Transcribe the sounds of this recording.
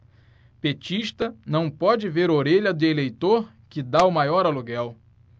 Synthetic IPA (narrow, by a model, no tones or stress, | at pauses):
pet͡ʃiʃt̪ɐnɐ̃w̃pɔd͡ʒɪveɾoɾeʎɐd̪ʊelejt̪oɾ | kɪd̪aʊmajɔɾɐluɡɛw